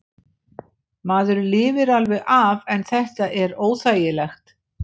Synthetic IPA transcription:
maːðʏɾlɪːvɪɾalvɛɣʔavɛnθɛht̪aʔɛɾoːwθaːjɪlɛxt̪

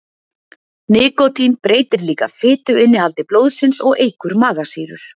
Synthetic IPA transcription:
nɪːkɔt̪ʰinpɾeːjt̪ɪɾliːkafɪːt̪ʏɪnːɪalt̪ɪploːwðsɪnsɔɣeːjkʏɾmaːɣasiːɾʏ̰ɾ̥

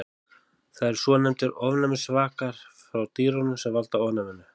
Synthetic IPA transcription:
θaðɛɾ̥swɔːnɛmt̪ɪɾɔvnamsvaːkaɾ̥fɾawt̪iːɾɔnʏmsɛvalt̪aɔvnamɪnʏ

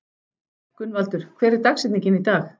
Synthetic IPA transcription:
kʏnvalt̪ʏɾ̥kʰv̥ɛːɾɪɾ̥t̪aksɛt̪niɲcɪnit̪aːx

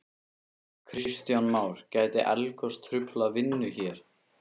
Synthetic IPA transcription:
kʰɾɪst̪jawnmaːwɾ̥caːjt̪ɪ̰ʔɛ̰lkɔst̪ʰɾʏplavɪnːʏçɛːɾ̥

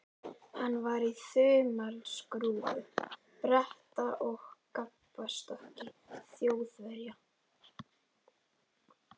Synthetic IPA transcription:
hanːvaɾiθʏːmalskɾuːvʏ | pɾɛht̪aʔɔɣkapː | ast̪ɔhcɪθjoːwðvɛɾja

